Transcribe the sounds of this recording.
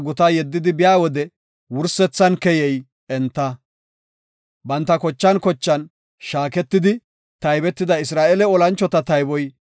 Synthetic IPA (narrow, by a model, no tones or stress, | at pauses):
ɡʊt̪ajɛd̪ːɪd̪ɪbɪjaːwɔd̪ɛ | wʊɾsɛt͡sːɐnkɛjɛj | ɛnt̪ːɐ | bɐnt̪ːɐkɔt͡ʃːɐnkɔt͡ʃːɐn | ʃaːkɛt̪ːɪd̪ɪ | t̪ɐjbɛt̪ːɪd̪ɐɪs̬ɾaːʔɛlɛɔlɐnt͡ʃːɔt̪ɐt̪ɐjbɔj